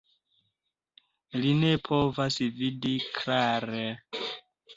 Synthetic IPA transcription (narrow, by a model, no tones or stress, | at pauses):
line̞pʰovasvidikʰlaɾe